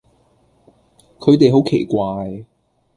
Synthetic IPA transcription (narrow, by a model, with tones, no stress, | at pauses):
kʰɵ˨˧ɥt̪e˨jɦo˨˥wkʰe˨˩jkʷaː˧j